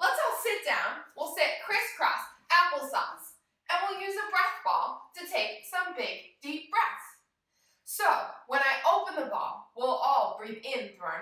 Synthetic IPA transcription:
lətsɔlˠsɪt̚d̥ãʊ̃nwilˠsɪt̚kʰɹ̥ɪskʰɹ̥ɔ̰sæpl̩ˠsɑ̰̃s | ʔɨ̃nwilˠjʉzəbɹɛsb̥ɔ̰lˠtʰɨtʰeɪk̚sʌ̃mbɪɡd̥ip̚b̥ɹɛθ | soʊwə̃ñaɪʔoʊpə̃nðəbɔ̰̃ŋwilˠɔlˠbɹiðɪ̃nθɹə̃ʊn

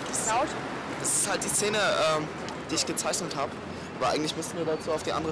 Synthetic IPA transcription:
aʊt | d̥asɪ̥sthalt̚d̥iːst͡seːnəʔɛːm | d̥iːɪçɡ̥ət͡saɪçnəthaːbə | ʔaːbaʔaɪŋ̩tlɪçmʏstn̩viːɐdat͡suːaʊfd̥iːʔa̰ndəʁə

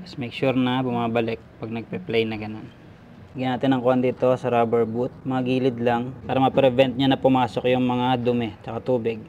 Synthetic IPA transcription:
ɐsmɛjkʃuɾnɐbʊmaːbɐlɪk̚pɐɡ̚nɐɡ̚pɛplɛjnɐɡɐno̞n | ɡɪɐnaːt̪ɪnɐŋkond̪it̪o̞sɐɾoːbɛɹbut̪̚mɐŋaɡiːlɪd̪laŋpaːɾɐmɐpɾɛvɛnt̪̚ɲanɐpʊmaːso̞kjʊŋmɐŋad̪ʊmɛt͡ʃɐkat̪uːbɪɡ̚

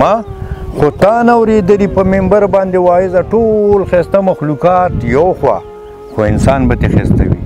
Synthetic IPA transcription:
ɑxot̪ɑnawɾed̪əlipəmɪmbaɾbɑnd̪ewɑɪzaʈolxest̪amaxlukɑt̪jawxwɑ̰ | xoɪnsɑnbat̪exḛst̪a̰wḭ

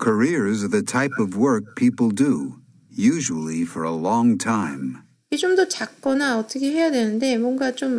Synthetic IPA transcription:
kʰə˞ɪɹzðɨtʰaɪpʌvwɜ˞k̚pʰipl̩ˠdu | jʉʒəl̩ˠifə˞əlɔ̃ŋtʰãɪ̃m | et͡ɕomdʌt͡ɕakk͈ʌnaʌt͈ʰʌkʰe̞ɦe̞jadwe̞nɯnde̞mwʌnɡat͡ɕom

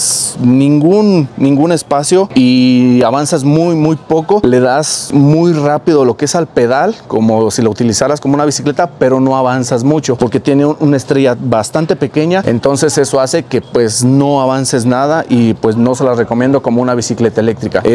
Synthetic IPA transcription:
snĩŋɡunːĩŋɡune̞spasjo̞iaβansazmujmujpo̞ko̞le̞ðazmujrapiðo̞lo̞keesalpe̞ðalko̞mo̞silaut̪ilisaɾaskomounaβisikle̞t̪ape̞ɾo̞no̞aβansazmut͡ʃo̞po̞ɾke̞t̪je̞neunaest̪ɾeʝabast̪ant̪e̞pe̞ke̞ɲae̞̰nt̪o̞nse̞se̞so̞ase̞ke̞pwe̞zno̞aβanse̞znaðaʔipwe̞zno̞selare̞komjend̪o̞ko̞mounaβisikle̞t̪ae̞le̞k̚t̪ɾika

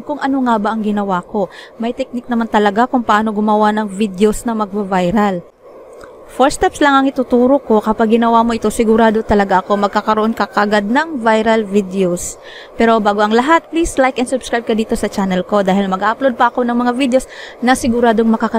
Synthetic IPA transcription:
kʊŋʔɐno̞ŋabaʔɐŋɡɪnɐwako̞mɐjt̪ɛk̚nɪk̚nɐmant̪ɐlɐɡakʊŋpɐʔaːno̞ɡʊmɐwanɐŋvid̪eosnɐmɐɡ̚bɐvajɾɐl | foɹst̪ɛpslɐŋʔɐŋʔɪt̪ʊt̪uːɾoko̞kɐpaɡ̚ːɪnɐwamo̞ʔɪt̪osɪɡʊɾaːd̪o̞t̪ɐlɐɡaʔɐko̞mɐɡ̚kakɐɾoʔo̞nkɐkaʔɐɡad̪̚nɐŋvajɾɐlvid̪eos | pɛːɾo̞baːɡo̞ʔɐŋlɐɦat̪̚plislajkʔɐnsʊbskɾajb̚kɐd̪iːt̪o̞sɐt͡ʃanɛlko̞d̪aːhɪlmɐɡʔaʔɐplod̪̚pɐʔɐko̞nɐŋmɐŋavid̪eosnɐsɪɡʊɾaːd̪oŋmɐkakɐ

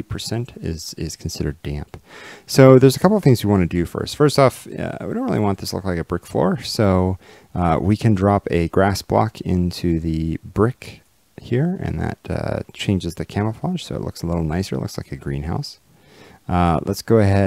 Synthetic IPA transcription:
ipʰə˞sɛ̃ntɪ̰z̥ɪz̥kʰn̩sɪɾə˞dæ̃mpsoʊðə˞zəkʰʌpl̩ˠʌv̥θɪ̃ŋzwiwɑ̃nɨdɨfɜ̰˞stfɜ˞stɔfʌ̰wḭdõʊ̃ntɹɪ̰lˠiwɑ̃nðɪslʊ̰klaɪkɨbɹɪkflɔ̰ɹsoʊ | ʌwikʰɨ̃ndɹɑpɨɡɹæsb̥lɑ̰kʰɪ̃ntʰʉðɨbɹɪk | hiɹɨ̰̃nðɨ̰t̚ʌ̰t͡ʃʰẽɪ̃nd͡ʒɨzðɨkʰæ̃məpʰɑ̥ʒ̥soʊə̰tʔˡlʊ̰ksəlɪɾl̩ˠnaɪsə̰˞ʔlʊ̰ksla̰ɪkɨɡɹĩnɦaʊs | ʌlʔə̰tsɡ̥oʊɨɦɛ

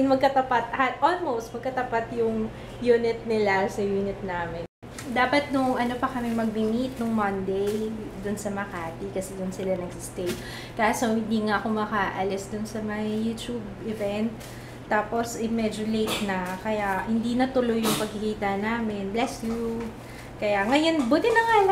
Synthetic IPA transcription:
mɐɡ̚kɐt̪ɐpat̪̚ʔɐhat̪̚ʔolmowst̪̚mɐɡ̚kɐt̪ɐpat̪jʊŋ | juːnɪt̪̚nɪlasɐjuːnɪt̪̚naːmɪn | d̪aːpɐt̪̚nʊŋʔɐno̞pɐkɐmɛmɐɡ̚bɪmit̪̚nʊŋmɐnd̪ej | d̪ʊnsɐmɐkaːt̪ikɐsɛd̪ʊnsɪlanɐɡsɪst̪ɛj | kasohɪnd̪iːŋaʔɐkomɐkaʔɐlɛsd̪ʊnsɐmɐŋajuːt̪jub̚ʔɪvɛnt̪ː | aːpo̞sɪmɛd͡ʒʊlejt̪̚nɐkɐjahɪnd̪inɐt̪ʊlo̞jːʊŋpɐɡ̚kɪkiːt̪ɐnaːmɪnblɛsju | kɐjaŋɐjonbʊt̪ɪnɐŋalɐ

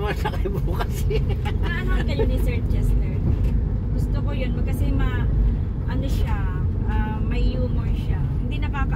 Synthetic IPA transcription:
mɐsɐkɐbokɐsɛ | ɐaɦaɡɐljonɪsɛɹd͡ʒɛslɛɹ | ɡʊst̪okojonmɐkɐsɛmɐ | ʔɐnoʃaʔɐ | mɐjuːmɔɹʃahɪnd̪inɐkaːpɐ

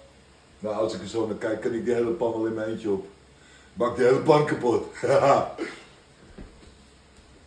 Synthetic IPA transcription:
naɔsɪkəsoːnəkɛjkːɪnɪk̚diɦeːləpɔnʋɛlˠɪnmɛɛntəɔp | bak̚diheləpankapot

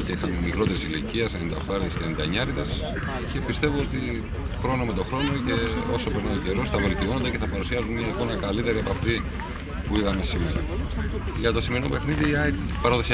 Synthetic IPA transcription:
t̪eixɐnmikɾo̞t̪e̞ɾisiliciɐsenenid̪ɐ̰fɐɾiðescenend̪ɐɲɐɾiðes | ce̞pist̪e̞voot̪i | xɾo̞nome̞t̪o̞xɾo̞no̞ce̞o̞so̞peɾnɐoce̞ɾo̞sθɐvelt̪io̞nod̪eceθɐpɐɾusiɐzunmjɐiko̞nɐkɐlit̪e̞ɾiɐpɐft̪i | puiðɐme̞simeɾo | ʝɐt̪o̞simeinope̞xniðiɐpɐɾoðosi

